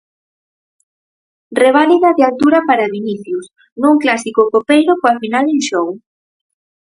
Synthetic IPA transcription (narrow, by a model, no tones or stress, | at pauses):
reβ̞aliðaðealt̪uɾapaɾaβiniθjus | nũŋklasikokopejɾokoafinalɪŋʃɔw